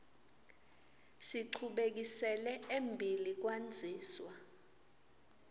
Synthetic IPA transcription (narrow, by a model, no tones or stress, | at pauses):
siǃʰuɓek̬isɛlɛembʱilik̬wand͡zʱiːswa